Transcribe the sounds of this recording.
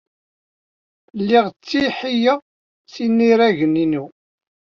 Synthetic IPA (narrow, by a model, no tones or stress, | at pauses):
lːiʁt͡sːiħija | θinːiɾæʝəninu